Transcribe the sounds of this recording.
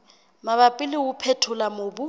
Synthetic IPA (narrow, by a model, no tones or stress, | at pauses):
maβapʼɪlɪwʊpʰɛtʰʊlamobʊ